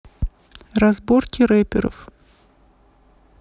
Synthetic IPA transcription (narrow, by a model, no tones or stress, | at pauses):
rɐzborkʲɪɾɛpʲɪɾə̰f